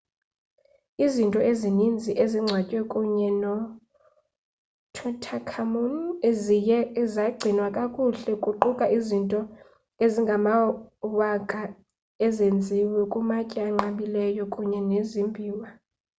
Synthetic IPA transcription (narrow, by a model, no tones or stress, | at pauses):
izintʼɔezinind͡zʱiʔeziŋ͡ǀʱwacʼwɛkʼuɲɛnɔ | tʰɔtʰakʰamumezijɛzaɡ͡ǀʱinwakʼakʼuɬɛkʼuǃukʼaizintʼɔ | eziŋɡʱamawakʼa | ɛzend͡zʱiwɛkʼumacʼiaŋ͡ǃaɓilɛjɔkʼuɲɛnezimbʱiːwa